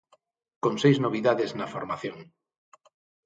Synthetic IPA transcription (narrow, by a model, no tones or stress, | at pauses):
kõnsejznoβ̞iðaðeznafoɾmaθjoŋ